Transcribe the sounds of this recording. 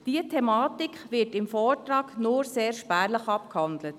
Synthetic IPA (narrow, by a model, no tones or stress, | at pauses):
d̥iːətʰɛmɑːtɪkχʋɪɹtɪmfɔːɹtɾɑːɡnoɾseːɾʃpæːɾləχɑp̚khɑndlət